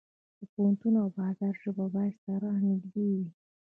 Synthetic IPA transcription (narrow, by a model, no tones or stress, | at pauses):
d̪̥əpohant̪unoawbɑzɑɾʒəbabɑjad̪saɾahniɡ̪ɡewi